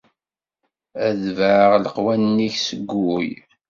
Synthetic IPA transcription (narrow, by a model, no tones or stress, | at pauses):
æðvʕʁləqwænːiçsəɡʷːuj